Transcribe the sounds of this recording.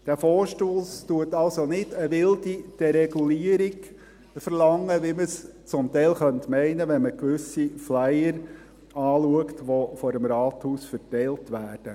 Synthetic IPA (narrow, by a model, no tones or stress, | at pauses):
d̥æfɔːɾʃtoːstuətɑlsonɪdəʋɪldid̥ɛɾɛɡuliəɾɪɡ | fəɾlɑŋːəʋiməst͡sʊmtɛɪlχœntmɛɪnəʋɛnməkʋʏsiflæɪəɾ | ɑːluəktʋofɔɾəmɾɑːthuːsfəɾtɛɪltʋæːd̥ə